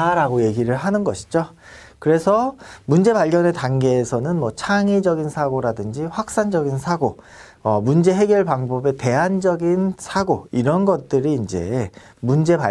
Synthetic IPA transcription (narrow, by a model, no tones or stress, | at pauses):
aɾaɡoje̞ɡiɾɯɭɦanɯnɡʌɕʰi̥d͡ʑo | kɯɾe̞sʰʌmund͡ʑe̞paʎɡʌne̞taŋɡe̞ːsʰʌnɯnmwʌt͡ɕʰaŋid͡ʑʌɡinsʰaɡoɾadɯnd͡ʑiɸwak̚s͈and͡ʑʌɡinsʰaɡo | ʌmund͡ʑe̞ɦe̞ɡjʌɭpaŋbʌbe̞te̞ɦand͡ʑʌɡinsʰaɡoiɾʌnɡʌt̚t͈ɯɾiːnd͡ʑe̞̰ | mund͡ʑe̞pa